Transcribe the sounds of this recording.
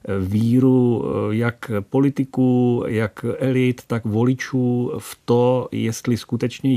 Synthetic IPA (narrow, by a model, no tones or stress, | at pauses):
viːɾujakpo̞lɪt̪ɪkuːjakɛlɪt̪ːakvolɪt͡ʃuːft̪ojɛst̪lɪskut̪ɛt͡ʃɲɛ